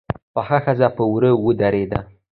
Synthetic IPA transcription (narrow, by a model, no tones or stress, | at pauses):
paxaxazapəwɾəwəd̪aɾed̪a̰